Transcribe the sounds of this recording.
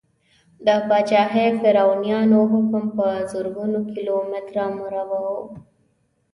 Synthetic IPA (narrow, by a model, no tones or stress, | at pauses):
d̪əpat͡ʃɑɦefɪɾawnijɑnoɦʊkmpəzʊɾɡunokilomɪt̪ɾamuɾawao